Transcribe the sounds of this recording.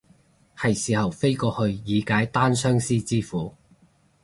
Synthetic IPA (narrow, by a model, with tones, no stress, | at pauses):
hɐ˨˩jsiː˨˩hɐ˨wfe˥jkɔː˧hɵ˧ɥjiː˨˧kaː˨˥jt̪aː˥nsœː˥ŋsiː˥t͡siː˥fuː˨˥